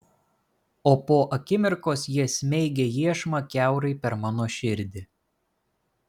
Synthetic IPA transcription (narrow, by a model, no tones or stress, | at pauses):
oːpoːʔɐkʲɪmʲɪɾkoːsjiɛsʲmʲɛɪɡʲejiɛʃmɐkʲæˑʊɾɐɪpʲɛɾmɑːnoːʃʲɪɾʲd̪ʲɪ